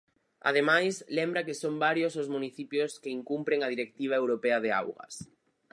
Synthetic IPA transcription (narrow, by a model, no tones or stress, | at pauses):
a̰ð̞emajslembɾakesombaɾjosozmuniθipjoskeiŋkumpɾeŋað̞iɾek̚t̪iβ̞aewɾopeaðea̰wɣɐ̰s